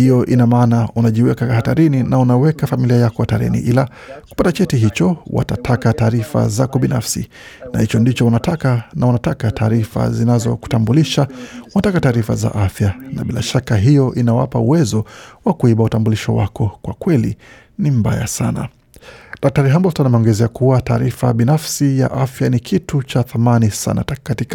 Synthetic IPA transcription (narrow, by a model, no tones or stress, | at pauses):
hijɔʔinamaːnaunaʄiwɛkakahataɾininaunawɛkafamiliajakɔwataɾɛ̰nḭʔila | ku̥patat͡ʃɛtiɦit͡ʃɔwa̰tatʰakataːɾifa̰zakɔɓina̰fsḭ | nahit͡ʃɔndit͡ʃɔunatakanaunatakataːɾifa̰zinazɔ̰ku̥tambuliʃaunatakataːɾifa̰za̰ʔafjanaɓilaʃakaɦijɔʔinawapauwɛzɔwakuiɓautambuliʃɔ̰wa̰kɔkwakwɛli | nim̩ba̰ja̰sa̰na̰ | ɗak̚taɾiɦambɔlstanamɛɔŋɡɛzɛakuwataːɾifa̰ɓinafsija̰ʔafjanikʰitut͡ʃaθamanisa̰na̰takatik